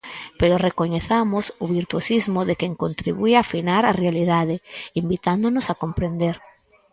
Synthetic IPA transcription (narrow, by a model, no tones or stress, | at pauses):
peɾorekoɲeθamʊsʊβiɾt̪wosizmoðekɛŋkont̪ɾiβuiafinaɾarealiðaðeimbit̪and̪onʊsakompɾend̪eɾ